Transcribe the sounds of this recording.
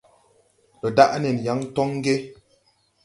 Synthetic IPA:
lɔ˨da˦ʔnɛ˨n˨ja˨˦ŋ˦tɔ˦ŋ˦ɡe˦

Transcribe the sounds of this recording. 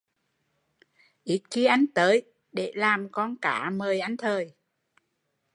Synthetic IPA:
ʔi˨˦˥t̚xi˧əʔa˨˧jŋ̟t̪əː˨˦j | ɗe˧˩˦laː˨˩mkɔ˧nka̰ː˧˩˦məː˨˩jʔa˨˦jŋ̟t̪ʰəː˨˩j

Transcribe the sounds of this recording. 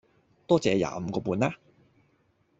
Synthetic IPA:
t̪ɔː˥t͡sɛː˨˧ja̰ː˨˧m̩˨˧kɔː˧puː˧naː˥

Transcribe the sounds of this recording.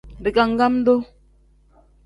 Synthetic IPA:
di˨ka˨ŋ˦ɡa˦m̩˦do˦

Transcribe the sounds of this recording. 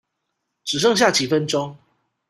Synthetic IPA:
ʈ͡ʂɻ̩˨˩ʂɤ˥˧ŋɕ̬ja˥˩t͡ɕi˨˩fə˦nʈ͡ʂo˥˦ŋ

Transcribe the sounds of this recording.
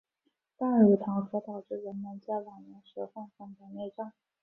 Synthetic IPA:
t̪a˥˩˧ɻ̩˨˩t̪ʰɑ˧˥ŋtʰɤ˧˥t̪ɑ˨˩ʊʈ͡ʂɻ̩˥˩ɻə˧˥nmə˧˥nt͡ɕa˥˩lɑ˨˩ŋnɛ˧˥nʂə˧˥fə˥˩ŋfɑ˥˩ŋp̪ə˧˥njɛ˥˧ʈ͡ʂɑ˥˩ŋ

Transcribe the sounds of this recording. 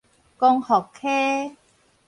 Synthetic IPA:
kɔ˧ŋhɔ˨˩kʰe˦

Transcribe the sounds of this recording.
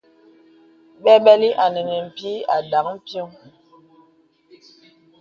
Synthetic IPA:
ɓɛ˦ɓɛ˦li˦ʔa˨nɛ˨nɛ˨m̩˨pi˦a˨da˨˦ŋm̩˦pjo˦ŋ

